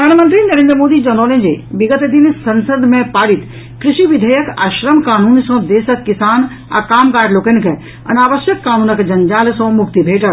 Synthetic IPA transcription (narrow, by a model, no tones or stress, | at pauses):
pəɾd̪ʱaːnmənt̪ɾinɐɾẽːnd̪ɾəmoːd̪id͡ʒɐnoːlẽd͡ʒḛːbɪɡət̪d̪insɐnsəd̪ʱmẽpaːɽit̪ | kɾɪʃiʋid̪ʱəjəka̰ːʃɾəmkaːnuːnsɐ̃d̪eːsəkːɪsaːn | a̰kaːmkaːɖloːkenkʰe | ɐ̰naːʋəsjəkːaːnuːnɐkd͡ʒɐnd͡ʒaːlsɔ̃mʊkt̪ibʱeːʈɐɾ